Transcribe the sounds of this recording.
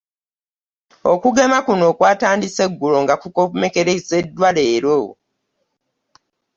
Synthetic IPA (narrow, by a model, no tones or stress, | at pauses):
okuɡe̞makuno̞ːkwaːtaːndise̞ɡːulo̞ŋɡakukome̞ke̞ɾeise̞dːwaleːɾo